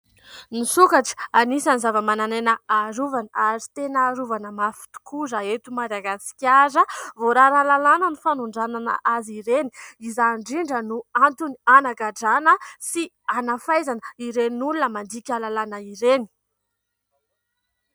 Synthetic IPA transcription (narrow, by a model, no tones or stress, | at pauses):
nisukaʈ͡ʂə̥anisanizavəmananenəaɾuvanəaɾit̪enəːɾuvanəmafu̥t̪u̥kʰuzaet̪umad̪aɡasi̥kʲaɾəvoɾaɾalalanənufanuɳɖ͡ʐananə̰ʔaziɾeniizaɳɖ͡ʐiɳɖ͡ʐənuant̪unianaɡaɖ͡ʐanəsi | anafajzanəiɾenulunəmand̪ikʲalalanəiɾeni̥